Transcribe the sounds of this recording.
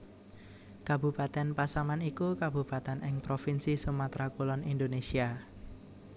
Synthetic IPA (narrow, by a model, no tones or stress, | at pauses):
kab̥ṳpat̪ɛnpasamanikukab̥ṳpat̪ɛnɪŋpɾofinsisumat̪ɾakulɔnind̪onesia